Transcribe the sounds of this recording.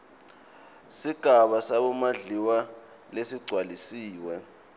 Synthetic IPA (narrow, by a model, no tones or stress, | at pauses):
siɡ̥ʱaɓasaɓɔmaɮiwa | lesiɡ͡ǀʱwalisiːwɛ